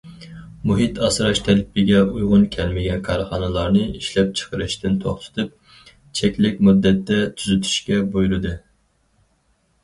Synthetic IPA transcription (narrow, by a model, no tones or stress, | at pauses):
muɦit̪ʰɑsɾɑʃt̪ʰɛlpːɪɡʲɛujʁʊnkʲʰɛlmɪɡʲɛnkʰɑɾχɑnɨlˠɑɾnɨiʃlɛp̚t͡ʃʰə̥qʰəɾɨʃt̪ɪnt̪ʰoχt̪ʰɨ̥t̪ʰɨp̚ | t͡ʃʰɛkʲlɪkʲmud̪ːɛt̪ʰːɛt̪ʰyzyt̪ʰy̥ʃkʲɛbojɾɨd̪ɨ